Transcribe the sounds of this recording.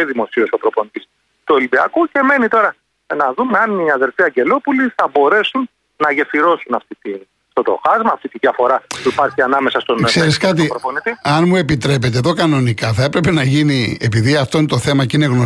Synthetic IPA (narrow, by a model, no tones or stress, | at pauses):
eðimo̞siosopɾopo̞nit̪is | t̪uelibiɐ̰kuce̞me̞nit̪o̞ɾɐ | nɐðume̞ɐniɐðe̞ɾfiɐɲɟe̞lo̞puliθɐbo̞ɾe̞sunː | ɐʝefiɾo̞sunɐft̪it̪i | ft̪ot̪o̞̰xɐzmɐːft̪it̪iðʝɐfo̞ɾɐpuipɐɾçiɐnɐme̞sɐst̪onseɾiskɐt̪̬ipɾoponit̪iɐnmue̞pit̪ɾe̞pe̞t̪̬eðo̞kɐno̞nikɐθɐe̞pɾe̞pe̞nɐʝiniepiðiɐft̪o̞inet̪oθe̞mɐcineɣno